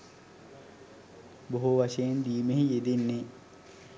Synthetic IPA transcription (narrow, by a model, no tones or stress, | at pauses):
boɦuʋaʃejend̪iːmeɦijed̪enːe